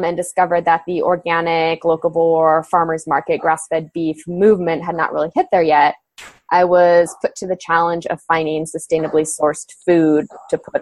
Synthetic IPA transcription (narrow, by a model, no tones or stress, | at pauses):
mɨ̃ndɨskʌvə˞d̪̚ðət̪̚ðiʔɔɹɡænɪkloʊkl̩ˠbɔɹfɑɹmə˞zmɑɹkɨt̚ɡ̥ɹæsfɛd̚biθmʉvmɨ̃nʔɦɨdⁿnə̰ʔ̚ɹɪ̰lˠihɪt̪̚ðə˞jɛt̚ | ʔaɪwʌz̥pʰʊtʰɨðɨt͡ʃʰælˠə̃nd͡ʒʌ̰v̥fãɪ̃ndɪ̃ŋsɨstẽɪ̃nɨblisɔɹstfʉd̚tʰɨpʰʊɾ